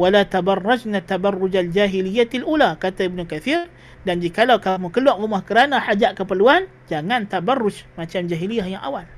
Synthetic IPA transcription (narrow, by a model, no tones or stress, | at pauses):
walat̪abarːad͡ʒnat̪ːabarːʊd͡ʒald͡ʒaɦilijːat̪ilʔulakat̪aibnukaθir | dand͡ʒikalawkamukəluaʔrumahkəɾanaħad͡ʒaʔkəpərluan | d͡ʒaŋant̪abarːʊd͡ʒmat͡ʃamd͡ʒaɦilijahjaŋʔa̰wal